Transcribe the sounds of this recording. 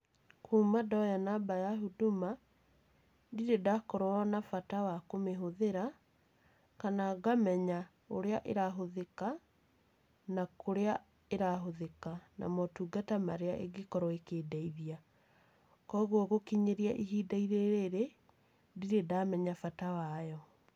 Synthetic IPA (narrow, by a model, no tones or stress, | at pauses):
kuːmadɔjanabajaɦuduma | diɾedakɔɾɔɔnafatawakomeɦoðeɾa | kanaɡamɛɲa | oɾeaʔeɾaɦoðeka | nakoɾea | eɾaɦoðekana̰mɔtuːɡatamaɾeaʔḛɡekɔɾɔekeːdaiðia | kɔɣwɔɣokiɲeɾiaʔiɦidaiɾeɾeɾe | diɾedamɛɲafatawajɔ